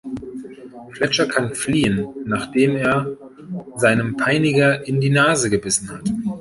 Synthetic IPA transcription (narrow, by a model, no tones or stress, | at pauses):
flɛt͡ʃɐkʰanfliːənːaːχd̥eːmeːɐ | zaɪnəmpʰaɪnɪɡɐʔɪndiːnaːzəɡəbɪsn̩hat